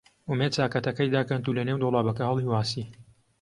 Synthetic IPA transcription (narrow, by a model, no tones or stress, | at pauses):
ʊmed̪̚t͡saːkɐt̪ɐkɐjd̪akɐnt̪uːlɐnewd̪olˠaːbɐkɐhɐlˠiwaːsi